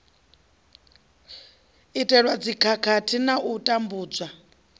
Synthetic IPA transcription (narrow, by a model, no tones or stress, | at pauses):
itʼɛɺwad͡zikʰakʰatʰinaʔutʼambuːd͡zwa